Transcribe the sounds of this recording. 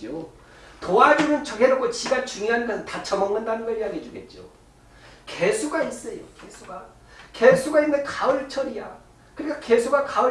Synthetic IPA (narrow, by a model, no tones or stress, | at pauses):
o | toad͡ʑinɯnt͡ɕʌɡeɾok͈ʰot͡ɕiɡat͡ɕuŋjoɦandʌɯntat͡ɕʰʌmʌŋnːɯndanɯnɡʌjaɡed͡ʑuɡe̞t̚t͡ɕ͈io̰ | ke̞sʰuɡais͈ʌjoke̞sʰuɡa | ke̞sʰuɡainːɯnkaʌɾɯɭt͡ɕʰʌɾija̰ | kɯɾik͈ake̞sʰuɡakaɯ